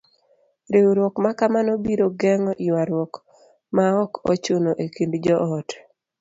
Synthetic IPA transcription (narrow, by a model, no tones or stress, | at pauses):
ɾewɾwɔkmakamanobiɾoɡɛŋɔʔiwaɾwɔk | maɔkɔ̰t͡ʃʊnoʔekindd͡ʒɔʔɔt